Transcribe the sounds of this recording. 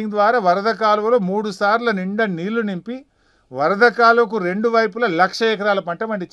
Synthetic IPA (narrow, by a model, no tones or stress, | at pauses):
iŋd̪ʋaːɾaːʋɐɾɐd̪ʱɐk̬aːlɐɐloːmuːɽusaːɾlɐniɳɖɐniːlunimpi | ʋɐɾɐd̪ʱɐkaːlɐk̬uɾe̞ɳɖuʋɐjpulɐlɐkʂɐɛkɐɾaːlɐpɐɳʈɐmɐɳɖit͡ʃː